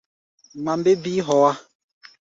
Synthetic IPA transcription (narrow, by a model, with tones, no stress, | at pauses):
ma˨mbe˦bi˦ɦɔ˨wa˦